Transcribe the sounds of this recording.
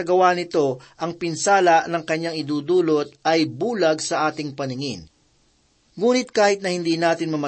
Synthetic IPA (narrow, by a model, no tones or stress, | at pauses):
ɐɡɐwanɪt̪o̞ʔɐŋpɪnsaːlɐʔnɐŋkɐɲːaŋɪd̪uːd̪uːlot̪̚ɐjbuːlɐɡsɐʔaːt̪ɪŋpɐnɪŋɪn | ŋuːnɪt̪̚kaːhɪt̪̚nɐhɪnd̪iːnaːt̪ɪnmɐmɐ